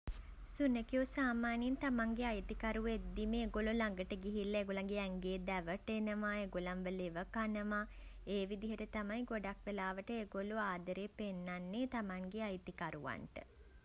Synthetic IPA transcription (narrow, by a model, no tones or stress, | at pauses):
sunəkiosaːmaːniint̪amaŋɡeajt̪ikaɾuʋed̪ːiməeɡolulaŋɡəʈəɡiɦilːɐeɡolaŋɡeɛŋɡeːd̪ɛʋəʈenəʋaːeɡolanʋəleʋəkanəʋaː | eːʋid̪iɦəʈət̪amajɡoɖak̚ʋelaːʋəʈəeɡoluaːd̪əɾeːpenːanːet̪amaŋɡeajt̪ikaɾuʋa̰nʈə̰